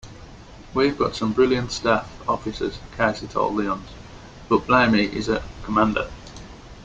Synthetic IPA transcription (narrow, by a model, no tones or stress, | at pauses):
wivɡɒtsə̃mbɹɪljə̃ntstaˑf | ɒfɪsə̰z̥kʰasɪtʰə̰liə̃nz̥ | b̥əʔb̥laɪmiʔɪ̰zəkʰəmãndə̰